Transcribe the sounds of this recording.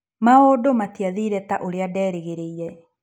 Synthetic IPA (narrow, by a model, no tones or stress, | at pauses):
maodomatiaðiɾɛtaʔoɾeadɛːɾeɣeɾeiɾɛ